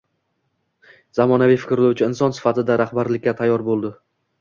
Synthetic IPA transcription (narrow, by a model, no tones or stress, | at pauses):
zamɒnavɪjfɪ̥kʲɾlawt͡ʃʰɪɪnsɒnsɪ̥fat̪ʰɪd̪aɾahbaɾlɪkʲːat̪ʰajːɒɾbolˠd̪ɪ